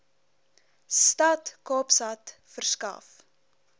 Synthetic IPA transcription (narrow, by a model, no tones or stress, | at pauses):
stɐtkɑːpsɐtfərskɐ̰f